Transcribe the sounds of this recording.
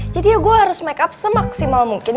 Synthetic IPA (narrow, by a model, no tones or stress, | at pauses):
d͡ʒadiaɡuaɦaɾʊsmɛkap̚səmaksimalmuŋkɪn